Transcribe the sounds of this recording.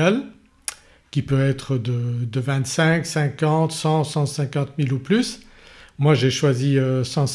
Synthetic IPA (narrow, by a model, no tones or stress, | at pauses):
al | kʲipøɛt̪χəd̪əd̪əvɛ̃t̪sɛ̃ksɛ̃kɑ̃t̪sɑ̃sɑ̃sɛ̃kɑ̃t̪miluplys | mwaʒeʃwaziøsɑ̃